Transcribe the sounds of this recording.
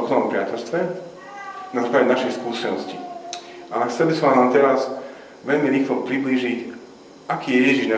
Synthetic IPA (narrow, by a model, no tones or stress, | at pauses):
xnɔɔmpɾɪacɛlst̪ʋɛ | nazaːklaɟɛnaʃɛxskuːsɛnɔsciʔaɛxt͡sɛlbisɔmanaːmt̪ɛɾaz | ʋɛʎmiɾiːxlɔpɾibliːʒic | ʔakiːjɛjɛʒiʒna